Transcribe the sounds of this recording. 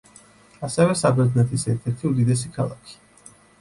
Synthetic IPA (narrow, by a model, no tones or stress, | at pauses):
asɛvɛsabɛd̪nɛt̪ʰisɛɾt̪ʰɛɾt̪ʰiud̪id̪ɛs̬ikʰalˠa̰kʰi̥